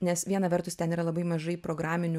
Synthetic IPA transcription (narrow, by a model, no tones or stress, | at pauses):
nʲɛsʋʲiɛnɐʋʲɛɾt̪ʊst̪ʲɛniːɾɐlˠɐbɐɪmɐʒɐɪpɾoːɡɾaːmʲɪnʲʊ